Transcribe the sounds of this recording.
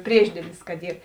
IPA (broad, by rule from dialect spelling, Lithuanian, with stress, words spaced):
ˈpʲrʲiɛʒʲdʲiɛlʲɪs kɐt ˈiːr